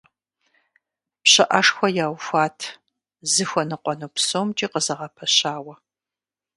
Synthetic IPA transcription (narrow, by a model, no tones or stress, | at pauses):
pɕɐʔɐʂxʷɔjaːwfʷaːtʰ | zɨxʷɔnɨqʷɔnuːpsoːmt͡ʃʼiːqəzɐʁɐpʰɐɕaːwɐ